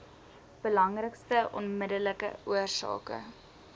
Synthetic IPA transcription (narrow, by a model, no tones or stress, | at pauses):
b̥əlɐŋrəkstəʔɔ̰nmədələkə̰uərsɑ̰ːkə̰